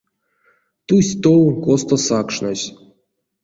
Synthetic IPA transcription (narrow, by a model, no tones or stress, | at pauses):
t̪usʲt̪owkost̪osakʂnosʲ